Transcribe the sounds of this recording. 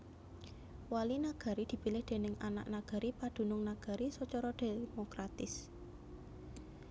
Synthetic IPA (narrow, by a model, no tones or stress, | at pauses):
walinaɡ̥a̤ɾid̪̥i̤pilɪhd̪̥e̤nɪŋana̰ʔnaɡ̥a̤ɾipad̥ṳnʊŋnaɡ̥a̤ɾisɔt͡ʃɔɾɔd̥e̤mokɾat̪ɪs